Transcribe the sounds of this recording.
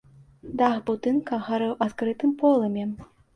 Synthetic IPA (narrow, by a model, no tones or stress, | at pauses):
d̪axbut̪ɨnkɐɣaɾɛwʔat̪kɾɨt̪ɨmpɔlˠɐmʲɛ